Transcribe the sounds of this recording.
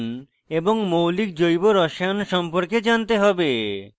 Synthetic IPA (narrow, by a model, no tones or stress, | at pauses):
n | eboŋmowlik̚d͡ʑojboɾɔʃanʃɔmpoɾked͡ʑant̪eɦɔbe